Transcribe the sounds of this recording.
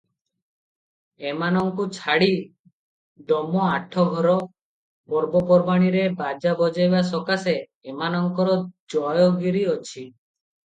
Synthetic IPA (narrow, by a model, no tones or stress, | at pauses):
emanɔŋkut͡ʃʰaɽi | d̪ɔmɔaʈʰɔɡʱɔɾɔ | bɔɾbɔpɔɾbaɽ̃iɾebad͡ʒabɔd͡ʒajbas̬ɔkaseː | manɔŋkɔɾɔd͡ʒɔjɔɡiɾiɔt͡ʃʰi